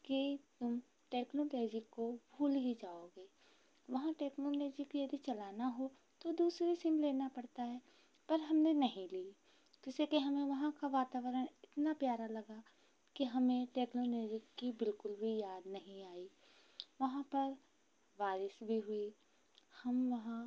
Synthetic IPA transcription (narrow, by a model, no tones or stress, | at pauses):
kit̪ʊm | ʈeːknoleːd͡ʒikobʱuːlɦid͡ʒaːoːɡeː | ʋɐɦãʈeːknoleːd͡ʒikjɐd̪ʱit͡ʃɐlaːnaɦo | t̪od̪uːsɾisɪmleːnapɐɽt̪aɦɛː | pɐɾɦɐmnenɐɦĩliː | d͡ʒɪsekeɦɐmẽʋɐɦãkaʋaːt̪aːʋəɾənɪt̪napjaːɾalɐɡa | kiɦɐmẽʈeːknoːleːd͡ʒɪkːibɪlkʊlbʱijaːd̪nɐɦĩaːi | ʋɐɦãpɐɾ | ʋaːɾɪsbʱiɦʊi | hɐmʋɐɦã